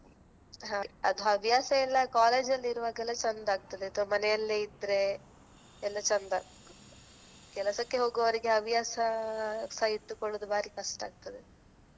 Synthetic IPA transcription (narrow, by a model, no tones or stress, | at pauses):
ɦaɐ̰d̪uɦɐʋjaːsɐɛlːɐkaːle̞ːd͡ʒɐlːiɾuʋaːɡɛlːɐt͡ʃɐnd̪aːɡ̚t̪ɐd̪eːt̪uʋɐmɐnɛjɐlːeid̪ɾe̞ | ɛlːɐt͡ʃɐnd̪aːɡ | kɛlɐsɐkːe̞ɦo̞ːɡɐʋɐɾiɡeɐʋjaːsɐsɐiʈ̪ːukoɽod̪ubaːɾikɐʂʈaːɡ̚t̪ɐd̪e